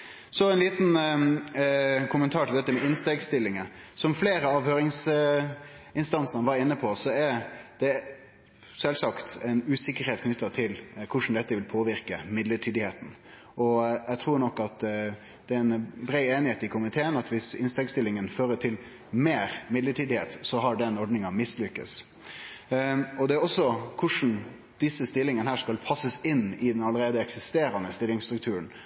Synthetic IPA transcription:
sɔɛɪnliːt̪n | kʰʊmənt̪ʰɑːʈʰɪld̪ɛt̪ːəmɛɪnst̪ɛɡst̪ɪlːɪŋəsɔmfleːɾəɑːʋhøːɾɪŋs | ɪnst̪ɑnsənəʋɑɾɪnːəpʰɔsɔɛɾd̪̥ɛ | sɛlsɑkt̪ɛɪnʉːsɪkːəɾheːt̪kʰnʏt̪ːət̪ʰɪlkʰʊʂn̩d̪ɛt̪ːəʋɪlpʰoːʋɪɾkəmɪd̪ləʈʰyːd̪ɪheːt̪n̩ | ɔjɛt̪ʰɾuːɾɳɔkːɑt̪ | d̪̥ɛæɛɪnbɾeɪeːnɪheːt̪ɪkʰʊmɪt̪ʰeːənɑt̪ʋɪsɪ̰nst̪ɛŋst̪ɪlːɪŋənføːɾəʈʰɪl | meːɾmɪd̪ləʈyːd̪ɪheːt̪sɔɦɑɖɛnɔɾɖ̪nɪŋɑmɪslʏkːə̰s | ɔd̪ɛæɾɔsːɔkʰʊʂn̩ | d̪̥ɪsːəst̪ɪlːɪŋənəhæːʂkɑlpʰɑsəsɪnːɪd̪ɛnɑlːəɾeːd̪əɛksɪst̪eːɾɑnəst̪ɪlːɪŋst̪ɾʉkt̪ʰʉːɾəɳ

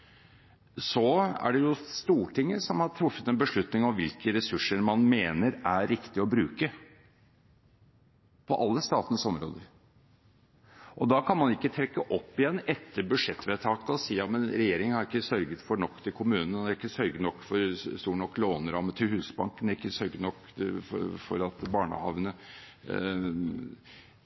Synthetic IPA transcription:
sɔæ̰ɖɛjʊst̪uːʈʰɪŋːəsɔmhɑʈʰɾʊfːət̪ɛnbəʂɭʉt̪nɪŋɔmʋɪlkəɾɛsʉʂəɾmɑnmeːnəɾæɾɪkt̪ɪɔbɾʉːkə | pʰɔʔɑlːəst̪ɑːt̪ənəsɔmɾo̰ːd̪əɾ | ʔɔd̪ɑkʰɑnmɑnɪkːət̪ʰɾɛkːəʔɔpːɪjɛnːɛt̪ʰːəɾbʉd̪ʂɛt̪ːʋeːt̪ʰɑːkəɔsiːjɑːmənɾɛjeːɾɪŋəhɑɾɪkːəsœɾɡət̪fɔɳɔkːt̪ʰɪlkʰʊmʉːnən̩ɑɾɪkːəsœɾɡənɔkːfɔɾst̪uːʈɳɔkːloːnəɾɑmət̪ʰɪlhʉːsbɑŋkənd̪æɾɪkːəsœɾɡənɔkː | fɔfɔ̰ɾɑt̪bɑːɳə̰hɑʋnə

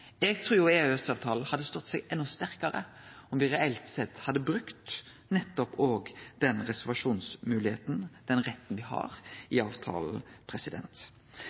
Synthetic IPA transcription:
ɛɡ̚t̪ʰɾuːɾjʊeːøɛsɑːʋt̪ʰɑːlhɑd̪ːəst̪ɔt̪ːsɛɡɛnːʊst̪æɾkɑɾə̰ | ɔmʋɪɾɛɛlt̪sɛt̪ːhɑd̪ːəbɾʉkt̪ | nɛt̪ːɔpoːɡd̪̥ɛnɾɛsəɾʋɑʂuːnsmʉːlɪheːt̪n̩d̪̥ɛnʁɛt̪ːn̩ʋɪhɑ̰ɾɪɑːʋt̪ʰɑ̰ːlpʰɾɛsɪd̪ɛ̰nt̪

